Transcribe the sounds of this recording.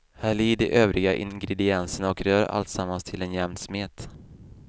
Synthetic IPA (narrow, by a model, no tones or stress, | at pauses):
hæːɭiːɖ̪əʔøːvɾɪɡaʔɪ̰ŋɡɾɛd̪ɪɛnsəɳɔkɾœːɾa̰lt̪samːanst̪ʰɪlɛnjɛmsmeːt̪